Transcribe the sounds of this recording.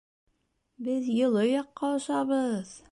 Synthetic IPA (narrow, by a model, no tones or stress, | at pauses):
bɘðjɤ̆lˠɤjɑqːɑŏʃɑβɤð